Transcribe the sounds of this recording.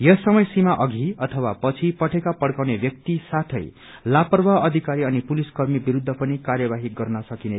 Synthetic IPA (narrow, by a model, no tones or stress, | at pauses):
jʌsʌmʌjsimaʔʌɡʱiʌt̪ʰʌwapʌt͡sʰipʌʈʰekapʌɽkawnebjʌk̚t̪isat̪ʰʌ̰j | lapʌrbʱaʌd̪ʱikaɾiʌnipuliskʌrmibiɾud̪ʱːʌpʌnikarjʌbaɦiɡʌrnʌsʌkine